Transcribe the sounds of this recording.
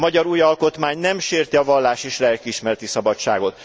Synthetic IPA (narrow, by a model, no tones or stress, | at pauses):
mɒɟɒɾuːjɒlko̞t̪maːɲnɛmʃeːrt̪iɒvɒlːaːʃeːʃlɛlkiiʃmɛɾɛt̪isɒbɒt͡ʃa̰ːɡo̞t̪